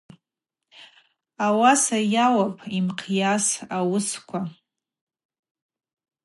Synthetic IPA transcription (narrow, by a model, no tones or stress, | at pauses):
awasajawapʰʼimqʰjasawʊskʷʰa